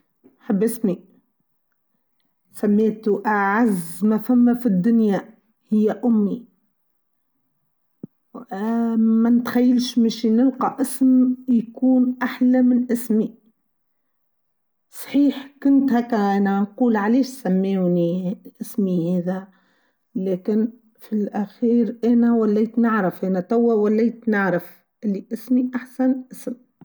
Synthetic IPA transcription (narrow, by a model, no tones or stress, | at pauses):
ħabːʔɪsmi | sæmːeːt̪uʔaʕazmæfæmːæfid̪ːʊnjæ | hɪjːæʔʊmːi | mænt̪xæjːəlʃmeʃnəlqɑʔɪsmjkuːnʔaħlæmɪnʔɪsmi | sˤħiːħkʊnt̪hækːæʔæːnænquːlʕaleːʃsæmːeːwniʔɪsmiheːðæ | leːkɪn | filʔæxiːɾʔɛːnæwælːijːt̪nəʕɾɪfʔɛːnæt̪æwːæwælːiːt̪nəʕɾɪf | ʔɪlːiʔɪsmiʔaħsænʔɪsm